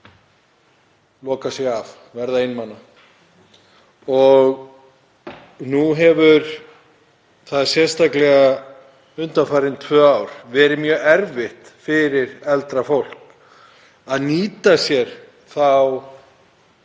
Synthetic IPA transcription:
lɔːkasɪɣav | vɛɾðaɪjnmanːa | ɔɣ | nuɦɛvʏɾ̥ | θaðsjɛst̪aklɛɣa | ʏnt̪anfaːjɾɪnt̪ʰvœːaːwɾ̥vɛːɾɪmjœːɣɛɾvɪht̪fɪɾɪɾɛlt̪ɾafowl̥k | aðniːt̪asjɛɾ̥ | θaw

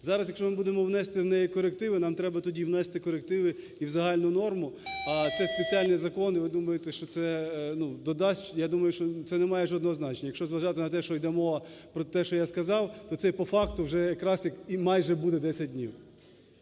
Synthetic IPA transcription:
zɑɾɐsjɐkʃt͡ʃɔmɪbud̪emɔwnɛst̪ɪwnɛjikɔɾekt̪ɪʋɪnɑmt̪ɾɛbɐt̪ɔdʲiwnɛst̪ɪkɔɾek̚t̪ɪʋɪ | iwzɐɦɑlʲnʊnɔrmʊɐt̪sɛspet͡sʲialʲnizɐkɔnɪʋɪd̪umɐjet̪ɛʃt͡ʃɔt̪sɛnud̪ɔd̪ɑsʲt͡ʃjad̪umɐjʊʃt͡ʃɔt̪sɛnɛmɑjɛʒɔd̪nɔɦɔznɑt͡ʃenʲːɐjɐkʃt͡ʃɔzʋɐʒɑt̪ɪnɐt̪ɛʃt͡ʃɔjd̪ɛmɔʋɐpɾɔt̪ɛʃt͡ʃɔjaskɐzɑwt̪ɔt̪ɛpɔfɑkt̪ʊwʒɛjɐkɾɑsjɐkimɑjʒɛbud̪ɛd̪ɛsʲɐt̚ʲdʲnʲiw

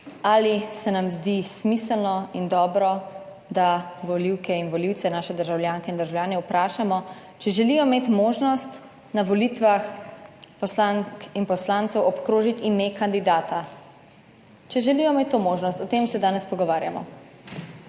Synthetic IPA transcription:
aːlisɛnamzd̪ismisəlnɔind̪ɔːbɾɔ | d̪aʋɔliwkɛinʋɔliwt̪sɛnaːʃɛd̪əɾʒawljaːŋkɛind̪əɾʒawjaːnɛupɾaːʃamɔ | t͡ʃɛʒɛlijɔmeːt̪moːʒnɔst̪ | naʋɔlit̪ʋaxpɔslankinpɔslaːnt̪sɛwʔɔpkɾoːʒit̪imekand̪id̪aːt̪a | t͡ʃɛʒɛlijɔmet̪ːomoːʒnɔst̪ɔt̪eːmsɛd̪aːnɛspɔɡɔʋaːɾja̰mɔ̰

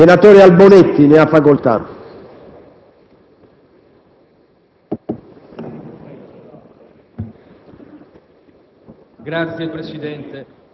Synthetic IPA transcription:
enat̪oːɾealbonet̪ːineafːakolt̪a̰ | ɡɾat̪sjepɾesid̪ɛnt̪e

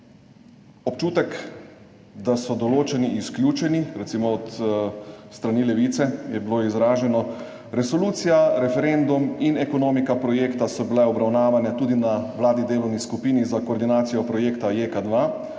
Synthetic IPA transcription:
ɔpt͡ʃuːt̪ɛk | d̪asɔd̪ɔloːt͡ʃɛniʔisklʲjuːt͡ʃɛniɾɛt̪siːmɔɔt̪ | st̪ɾaniːlɛʋit̪sɛjɛbiloːizɾaːʒɛnɔ | ɾɛsɔluːt̪sijaɾɛfɛɾend̪uminɛkɔnoːmikapɾɔjeːkt̪asɔbilɛɔbɾawnaːʋanɛt̪uːd̪inaʋlaːd̪nid̪eːlɔwniskupiːnizakoːɾd̪inaːt̪sijɔpɾɔjeːkt̪ajekad̪ʋa

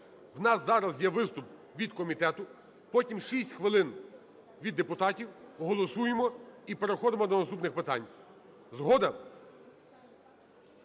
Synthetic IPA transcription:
wnɑsːɑɾɐzjɛʋɪst̪ʊp̚ | ʋʲid̪kɔmʲit̪ɛt̪ʊ | pɔtʲimʃisʲtʲxʋɪlˠɪn | ʋʲid̪ːepʊt̪ɑtʲiwɔɦɔlˠɔsujemɔipeɾexɔd̪ɪmɔd̪ɔnɐst̪upnɪxpɪt̪ɑ̰nʲ | zɦɔd̪ɐ

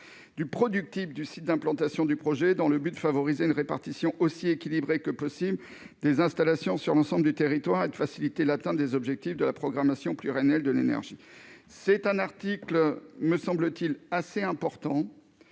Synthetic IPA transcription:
d̪̥ypχɔd̪yk̚t̪ifd̪ysit̪̚d̪ɛ̃plɑ̃t̪asjɔ̃d̪ypχɔʒɛd̪ɑ̃ləbyd̪əfavɔʁizeynʁepaʁt̪isjɔ̃ʔosiekʲilibʁekəpɔsibl | d̪ezɛ̃st̪alasjɔ̃syʁlɑ̃sɑ̃bləd̪yt̪eʁit̪waʁed̪əfasilit̪elat̪ɛ̃t̪d̪ezɔbʒɛk̚t̪ifd̪əlapχɔɡʁamasjɔ̃plyʁɛnɛld̪əlenɛ̰ʁʒi | sɛt̪ɛ̃naʁt̪ikləməsɑ̃blət̪ilaseɛ̃pɔʁt̪ɑ̃

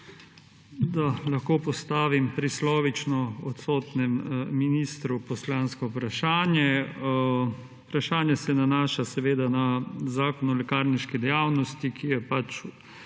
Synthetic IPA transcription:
d̪alaxkoːpɔst̪aːʋimpɾislɔːʋit͡ʃnɔɔt̪soːt̪nɛmːinist̪ɾupɔslanskɔpɾaʃaːnjɛ | upɾaʃaːnjɛsɛnanaːʃasɛʋeːd̪anazaːkɔnɔlɛkaɾniʃkid̪ɛjaːwnɔst̪ikʰijɛpat͡ʃ

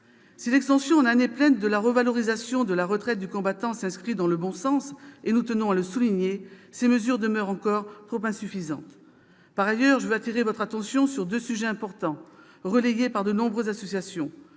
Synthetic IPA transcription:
silɛkst̪ɑ̃sjɔ̃naneplɛnd̪əlaʁəvalɔʁizasjɔ̃d̪əlaʁət̪χɛt̪̚d̪ykɔ̃bat̪ɑ̃sɛ̃skχid̪ɑ̃ləbɔ̃sɑ̃senut̪ənɔ̃aləsuliɲeseməzyʁd̪əmœʁɑ̃kɔʁt̪χopɛ̃syfizɑ̰̃t̪ | paʁajœʁʒəvøat̪iʁevɔt̪χat̪ɑ̃sjɔ̃syʁd̪øsyʒɛɛ̃pɔʁt̪ɑ̃ | ʁəlejepaʁd̪ənɔ̃bʁøzasɔsjasjɔ̃

